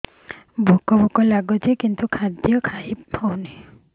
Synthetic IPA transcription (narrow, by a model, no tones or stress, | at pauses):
bʱukɔbɔkɔlaɡɔt̪ekint̪ukʰad̪jɔkʰaiawne